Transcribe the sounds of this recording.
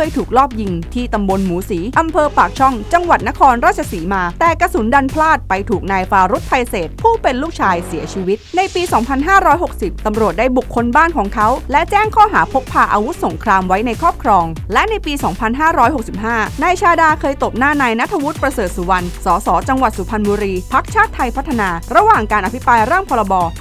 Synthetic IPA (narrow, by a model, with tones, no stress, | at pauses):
kɤː˧jt̪ʰuː˨˩k̚lɔː˥˩p̚ji˧ŋt̪ʰiː˥˩t̪a˧mbo˧nmuː˩˦siː˩˦ʔa˧mpʰɤː˧paː˨˩k̚t͡ɕʰɔ˥˩ŋt͡ɕa˧ŋwa˨˩t̪̚na˦˥kʰɔː˧nɾaː˥˩t͡ɕʰa˧siː˩˦maː˧t̪ɛː˨˩ka˧su˨˩˦nda˧npʰlaː˥˩t̪̚pa˧jt̪ʰuː˨˩k̚naː˧jfaː˧ɾu˦˥t̪̚ʰːa˧jseː˨˩t̪̚pʰuː˥˩pe˧nluː˥˩k̚t͡ɕʰaː˧jsiː˨˩˦ət͡ɕʰiː˧wi˦˥t̪̚na˧jpiː˧sɔː˩˦ŋpʰa˧nɦaː˥˩ɾɔː˦˥jɦo˨˩k̚si˨˩p̚t̪a˧mɾu˨˩ət̪̚da˥˩jbu˨˩kʰːo˧nbaː˥˩nkʰɔː˩˦ŋkʰa˦˥wlɛ˦˥t͡ɕɛː˥˩ŋkʰɔː˥˩ɦaː˩˦pʰo˦˥k̚pʰaː˧ʔaː˧wu˦˥t̪̚so˩˦ŋkʰɾaː˧mwa˦˥jna˧jkʰɾɔː˥p̚kʰɾɔː˧ŋlɛ˦˥ʔna˧jpiː˧sɔː˩˦ŋpʰa˧nɦaː˥˩ɾɔː˦˥jɦo˨˩k̚si˨˩p̚ɦaː˥˩naː˧jt͡ɕʰaː˧daː˧kʰɤː˧jt̪o˨˩p̚naː˥˩naː˧jna˦˥t̪ʰːa˧wu˦˥t̪̚pɾa˧sɤː˨˩t̪̚su˩˦wa˧nsɔː˩˦sɔː˩˦t͡ɕa˧ŋwa˨˩t̪̚su˩˦pʰa˧nbuː˧ɾiː˧pʰa˦˥k̚t͡ɕʰaː˥˩t̪ʰːa˧jpʰa˦˥t̪ʰːa˧naː˧ɾa˧waː˨˩ŋkaː˧nʔpʰi˦˥pɾaː˧jɾaː˥˩ŋpʰɔː˧ɾa˧bɔː˧